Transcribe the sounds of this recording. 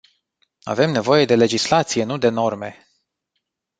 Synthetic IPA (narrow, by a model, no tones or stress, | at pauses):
a̰ve̞mne̞vo̞je̞d̪e̞le̞d͡ʒislat̪sije̞nud̪e̞no̞rme̞̰